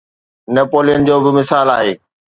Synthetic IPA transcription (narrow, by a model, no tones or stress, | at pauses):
neːpoːlijənd͡ʑoːbɪmɪsaːlaːɦeː